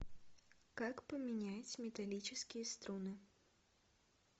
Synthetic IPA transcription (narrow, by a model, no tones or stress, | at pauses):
kakpɐmʲinʲajut͡sʲmʲɛt̪alʲit͡ʃɨskʲijɐst̪ɾunɨ